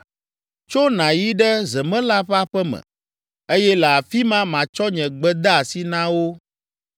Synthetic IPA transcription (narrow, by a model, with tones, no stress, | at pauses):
t͡ʃo˦nã˨ji˦ɖɛ˦zɛ˨mɛ̃˦la˦ɸa˦ɸɛ˦mɛ̰̃˨ | e˦jɛ˦lɛ˨a˨fi˦mã˦mã˨t͡ʃɔ˦ɲɛ̃˨ɡ͡bɛ˦d̪a˦a˨si˦nã˦wo˦